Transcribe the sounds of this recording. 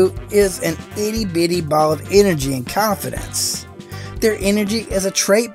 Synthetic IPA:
ɪzɨ̃nɪɾibɪɾibɑlˠəvɛnə˞d͡ʒiɨ̃nkʰɑ̃ɱfɨ̰ɾɨ̰̃ns | ðə˞ʔɛnə˞d͡ʒiʔɪzɨtʰɹ̥eɪt̚

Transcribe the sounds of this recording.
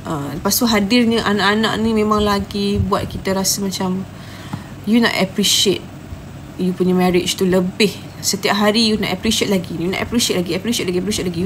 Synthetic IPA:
ʔəpast̪oɦadɪrnəʔanaʔanã̰ʔnĩmẽmãŋlaɡibuat̪̚kit̪aɾasamãt͡ʃam | junɔ̰ʔɛpɾiʃet̪̚ | jupuɲəmɛɾɪt͡ʃt̪uləbɪh | sət̪iap̚ɦaɾijunɔ̰ʔapɾiʃet̪̚laɡijunɔ̰ʔa̰pɾiʃiet̪̚laɡiɛpɾiʃiet̪̚laɡiɛpɾiʃet̚laɡij

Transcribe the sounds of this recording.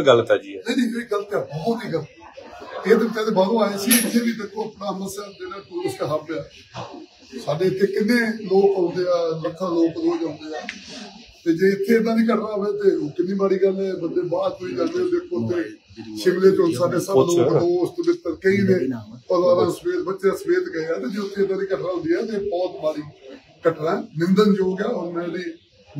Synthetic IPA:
ɡəlt̪ɛd͡ʒinẽd͡ʒiːeɡələt̪ɛːbɔːt̪iːɡələt̪ː | eːb̪ɪt̪ʰːẽːd̪eːbaːɾõːaːeːsiːɪt̪ʰːeːnĩːd̪ekʰːõːəpnaːsməsjaːd̪enaːpʊɾəsjaːɦaːbeaː | saːɖeːɪt̪ʰːeːkɪnːeːloːkõnd̪eːaːləkʰːãːloːkd̪oːd͡ʒãːʊnd̪eːaː | t̪eːd͡ʒeːɪt̪ʰːeːeːd̪ãːniːkəʈʰnaːbeːt̪eːoːkɪnːĩːmaːɽiːɡəlːẽːbənd̪eːbaːdoiːɡəleːoːd̪eːkʰːõːt̪ːeː | ʃɪmlẽːd͡ʒõnsaːɖeːsəloːkd̪õːʊst̪oːbɪt̪ːəɾkəĩːnẽːpəɾaːɾãːsəbeːd̪bətːʃãːsəbeːd̪ɡəeːɛːt̪eːd͡ʒeːʊt̪ʰːeːd̪aːniːkəʈʰnãːʊ̃d̪iːaːt̪eːbɔːt̪maːɽiː | kəʈnɛ̃ːnɪ̃nd̪ənd͡ʒoːɡjaːɦʊɛ̃ːdiː

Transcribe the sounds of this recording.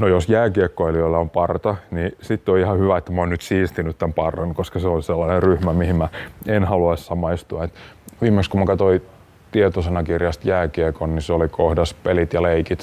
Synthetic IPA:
nojosjæːkiekːoeliolːɑompɑrt̪ɑnisit̪ːeoihɑhyʋæet̪ːæmoːnnyt̪siːst̪inyt̪t̪æmpɑrːɑnkoskɑseonselːɑnerryhmæmihimmæenhɑluɑissɑmɑist̪uɑet̪ʋiːmːˑekskumɑkɑt̪oi | t̪iet̪osenɑkirjɑst̪jæːkiekonniseolikʰohdɑspelit̪jɑleikit̪

